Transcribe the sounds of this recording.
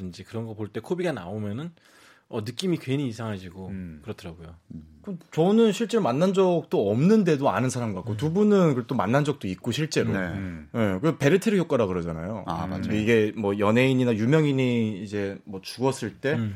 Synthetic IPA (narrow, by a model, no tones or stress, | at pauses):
ɯnd͡ʑikɯɾʌnɡʌpoɭt͈e̞kʰobiɡana̰omjʌnɯn | ʌnɯk͈imikweniːsʰaŋɦaɕiɡokɯɾʌtʰɯɾaɡojokɯt͡ɕʌnɯnɕʰiɭt͡ɕ͈e̞ɾomanːand͡ʑʌk̚t͈oʌmnɯnde̞doanɯnsʰaɾamɡɯkak͈otubunɯnkɯt͈omanːand͡ʑʌk̚t͈oik̚k͈oɕʰiɭt͡ɕ͈e̞ɾoje̞keope̞ɾɯtʰeɾɯjok͈aɾakɯɾʌd͡ʑana̰joa̰a̰d͡ʑiɡe̞mwʌjʌnɦe̞iɲinajumjʌŋiɲiːd͡ʑe̞mwʌt͡ɕuɡʌs͈ɯɭt͈e̞